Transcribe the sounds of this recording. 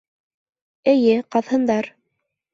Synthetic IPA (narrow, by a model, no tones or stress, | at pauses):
ɘ̆jɘqɑðhɤ̆nd̪ɑɾ